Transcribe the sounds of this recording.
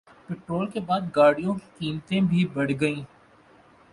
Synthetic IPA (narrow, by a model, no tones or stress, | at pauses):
peʈɾoːlkebaːd̪ɡaːɽijõki̥kiːmt̪ẽbʱibɐɽ̤ɡɐĩː